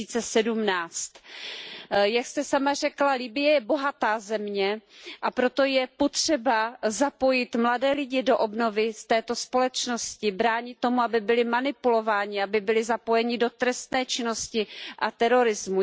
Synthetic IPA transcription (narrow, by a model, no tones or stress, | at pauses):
iːt͡sɛsɛdumnaːt͡st̪ | jakst̪ɛsamar̝ɛklalibɪjɛjɛbo̞ɦat̪aːzɛmɲɛʔapɾo̞t̪o̞jɛpo̞t̪r̝̥ɛbazapo̞jɪt̪mladɛːlɪɟɪdo̞ʔobno̞vɪst̪ɛːt̪o̞spo̞lɛt͡ʃno̞scɪbɾaːɲɪt̪ːo̞muabɪbɪlɪmanɪpulo̞vaːɲɪabɪbɪlɪzapo̞jɛɲɪdo̞t̪ɾɛst̪nɛːt͡ʃɪno̞scɪʔat̪ɛɾo̞ɾɪzmu